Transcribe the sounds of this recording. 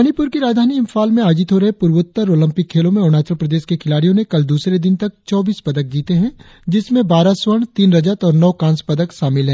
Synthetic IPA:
ɐnɪpʊɾkiɾaːd̪ʱaːniɪmfʰaːlmẽaːd͡ʒɪt̪ɦoɾɐɦepʊɾwʊt̪ːəɾoːlɐ̃mpɪkʰːeːlõmẽʊnaːt͡ʃɾəpɾɐd̪eːʃkekʰɪlaːɽijõnekɐld̪uːsɾed̪ɪnt̪ɐk̚t͡ʃɔːbiːspɐd̪ək̚d͡ʒiːt̪eɦɛ̃ː | d͡ʒɪsmẽbaːɾaswəɽ̃t̪iːnɾɐd͡ʒət̪ɔːɾnɔːkãːnspɐd̪əkʃaːmɪlɦɛ̃ː

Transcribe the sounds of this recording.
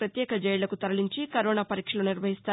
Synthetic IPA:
ɾɐt̪jɛːkɐd͡ʒɛjlɐkut̪ɐɾɐliɲt͡ʃikɐɾoːnaːpɐɾiːkʂɐloːniɾʋɐɦist̪aː

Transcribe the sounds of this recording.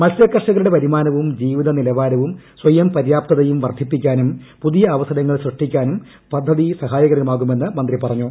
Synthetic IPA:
mɐsjɐkːɐrʂɐɣɐɭuɽepɐɾimaːnɐʋumd͡ʑiːʋiðɐnilɐʋaːɾɐʋumswɐjɐmpɐɾjaːp̚t̪ɐðɐjumʋɐrd̪ʱipːikʲːaːnum | puðijɐːʋɐsɐnɐŋːɐɭsrɨʂʈikʲːaːnum | pɐd̪ʱːɐðisɐɦaːjɐɣɐɾɐɐmaːɣume̞nːɨmɐnd̪ripɐrɐɲːu

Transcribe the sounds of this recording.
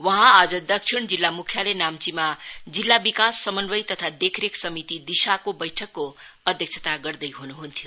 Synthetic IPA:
wʌɦãad͡zʌd̪ʌk̚t͡ʃʰiɽ̃d͡zilːamukʰjalenamt͡simad͡zilːabikasːʌmʌnbʌjt̪ʌt̪ʰad̪ekʰɾeksʌmit̪id̪isakobʌjʈʰʌkːoʌd̪ʱjʌk̚t͡ʃʰʌ̥t̪aɡʌrd̪ʌjɦunuɦunt̪ʰjo

